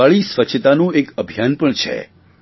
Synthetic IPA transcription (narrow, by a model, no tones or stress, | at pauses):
aɭisʋət͡ʃʰt̪anũekəbʱjanpəɳt͡ʃʰḛ